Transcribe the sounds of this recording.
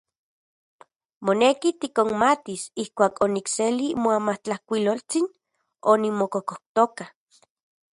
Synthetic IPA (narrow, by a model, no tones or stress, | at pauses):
monekit̪ikonmat̪isihkʷaːkonikselimoamaht͡ɬahkʷilolt͡sin | onimokoko̥h̚t̪oka